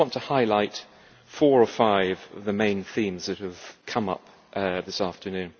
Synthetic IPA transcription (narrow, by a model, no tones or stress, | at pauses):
wɑ̃ntʰəhaɪlaɪt | fɔɹəfaɪvʌvðɨmẽɪ̃nθĩmzðɨt̚hɨv̥kʰʌ̃mʌ̰p̚ | ʔʌðɪsæftənʉ̃n